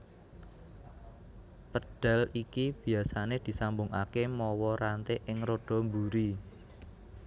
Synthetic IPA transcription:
pəɖ̥a̤likib̥i̤asaned̪̥i̤sambʊŋa̰kemɔwɔɾant̪eʔɪŋroɖ̥ɔ̤mbuɾi

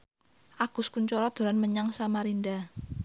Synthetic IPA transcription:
ʔaɡ̥ʊ̤skuɲt͡ʃɔɾɔd̪̥o̤ɾanməɲaŋsamaɾinda

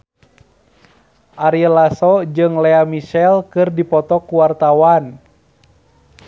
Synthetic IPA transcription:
ʔaɾiəlasɔd͡ʒɨŋlɛamiʃɛlkɨrdipɔt̪ɔkuwart̪awan

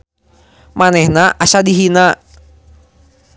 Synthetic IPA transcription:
manɛhnaʔasadiɦina

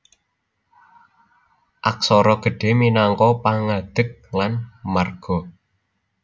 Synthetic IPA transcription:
ʔak̚sɔɾɔɡ̥ə̤ɖ̥e̤minaŋkɔpaŋad̪̥ək̚lanmarɡ̥ɔ

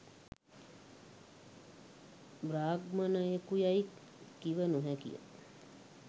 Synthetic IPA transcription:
bɾaːɡmənəekujaikː | iʋənuɦɛkḭjə̰

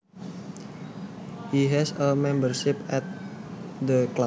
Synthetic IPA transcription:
hiɦɛsəmɛ̃mbərʃɪpɛt̪̚d̪əkla

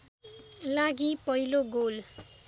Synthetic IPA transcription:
laɡipʌiloɡol

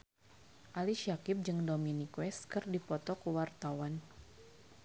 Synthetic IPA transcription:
ʔaliʃiakɪp̚d͡ʒɨŋdominikwɛst̪kɨrdipɔt̪ɔkuwart̪awan

